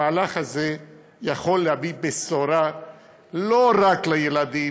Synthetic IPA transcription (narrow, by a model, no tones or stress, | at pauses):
aːlaχaze | jaχo̞lːehabibesoɾa | loʁaklajelad̪i